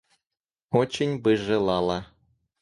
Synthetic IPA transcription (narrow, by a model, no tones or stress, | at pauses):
ot͡ɕĕnʲbɨʐɘ̆lˠɑlˠɑ